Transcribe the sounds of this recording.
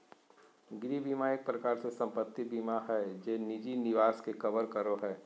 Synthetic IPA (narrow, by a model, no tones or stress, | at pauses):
ɡɪɾibiːmajək̚pɾɐkaːɾsesɐ̃mpət̪ːibiːmaɦɛd͡ʒeːnɪd͡ʒinɪʋaːskekɐʋəɾkɐɾoɦɛː